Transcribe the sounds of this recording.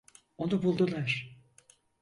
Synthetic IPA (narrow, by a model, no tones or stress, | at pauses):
o̞nubulˠd̪ulˠaɾ̥